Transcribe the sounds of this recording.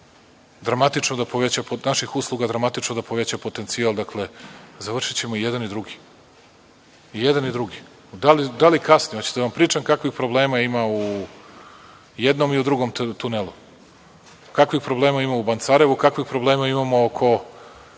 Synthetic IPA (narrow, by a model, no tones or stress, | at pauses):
d̪ɾamat̪it͡ʂnod̪apo̞ʋet͡ɕaponaʃixuslˠuɡad̪ɾamat̪it͡ʂnod̪apo̞ʋet͡ɕapo̞t̪e̞nt̪sialˠd̪akle̞zaʋr̩ʂit͡ɕe̞moijed̪anid̪ɾuɡi̥ | ijed̪anid̪ɾuɡi | d̪alid̪alikasniot͡ɕi̥d̪aʋampɾiːt͡ʃaŋkakʋixpɾo̞bleːmaimau | jed̪no̞miud̪ɾuɡo̞mt̪unelˠu | kakʋixpɾo̞blˠe̞ːmaimaubant̪saɾeʋukakʋixpɾo̞ble̞ːmaimamo̞okʰo̞